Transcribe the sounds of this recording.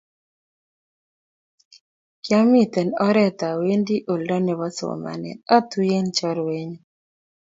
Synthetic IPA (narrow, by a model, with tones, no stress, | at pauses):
kja˦mi˦t̪ɛ˨nɔ˦ɾɛ˦t̪a˨we˦ndi˦ʔo˨ldɔ˦nɛ˨βɔ˦so̰˨ma̰˨nɛ̰˨nɔ˦t̪u˦je˦nt͡ʃɔ˦ɾwe˦ɲu˦